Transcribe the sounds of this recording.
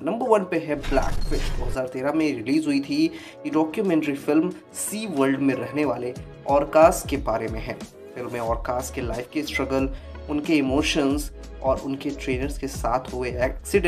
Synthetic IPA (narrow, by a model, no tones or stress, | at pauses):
nɐ̃mbəɾʋɐnpeɦɛblɛ̰ːkfɪʃʈd̪oːɦɐzaːɾt̪eːɾamẽɾɪliːzɦʊit̪ʰi | kiɖɔːkjumɛ̃ɳʈɾifɪlm | siːʋəɾlɖmẽɾɛɦneʋaːle | ɔːɾkaːsʈ̚kebaːɾemẽɦɛ̃ː | fɪlmːẽɔːɾkaːsʈkelaːɪfkesʈɾɐɡəl | ʊnkeɪmoːʃənz | ɔːɾʊ̰nkeʈɾeːnəɾzkesaːt̪ʰɦʊeɛːksɪɖ̃